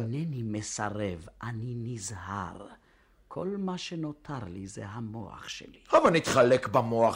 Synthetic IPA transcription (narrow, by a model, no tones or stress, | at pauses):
nenimesaʁevʔaninizha̰ʁ | kʰo̞lmaʃeno̞tʰaʁlizḛɦamo̰a̰χʃḛlihavalnit̪χalekbamoaχ